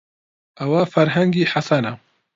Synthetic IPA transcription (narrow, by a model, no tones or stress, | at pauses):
ʔɐwafɐɾɦɐŋɡiːħasana